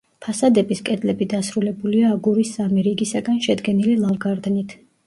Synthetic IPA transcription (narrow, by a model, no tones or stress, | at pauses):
pʰasad̪ɛbiskʼɛd̪lɛbid̪asɾulɛbuliaːɡuɾisːamiɾiɡisaɡanʃɛd̪ɡɛnililˠalɡaɾd̪nit̪ʰ